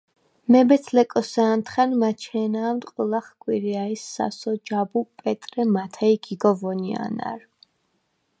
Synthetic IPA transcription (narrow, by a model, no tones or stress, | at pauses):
mɛbɛt̪sʰlɛkʼɔsaːnt̪ʰχanmat͡ʃʰɛːnaːmt̪ʼqʼulˠaχkʼwiɾiaisːa̰sɔd͡ʒabupʼɛt̪ʼɾɛmat̪ʰaiɡiɡɔvɔnia̰na̰ɾ